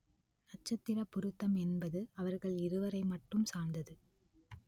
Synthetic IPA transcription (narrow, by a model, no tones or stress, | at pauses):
nɐt͡ʃːɐt̪ːɪɾɐpːʊɾɯt̪ːɐmɛnbɐðɯɐʋɐɾɣɐɭɪɾɯʋɐɾɐɪmɐʈːɯmsaːnd̪ɐðɯ